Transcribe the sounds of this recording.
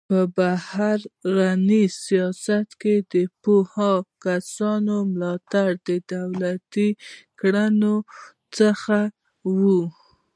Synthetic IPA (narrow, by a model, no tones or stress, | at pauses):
pəbahaɾɣanisijɑsat̪ked̪əpohɑkasɑnomlɑt̪aɽd̪əd̪awlat̪ikɽano | t͡səxa | wu